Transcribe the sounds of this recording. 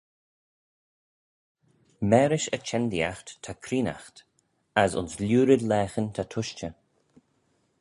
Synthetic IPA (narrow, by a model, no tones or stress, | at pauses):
mɛːɾɪʃət͡ʃʰɛnd̪ia̰xt̪tʰakʰɾiːna̰xt̪ | asʊ̰nslʲjuːɾɪd̪lɛːxənt̪ʰat̪ʰʊʃt͡ʃə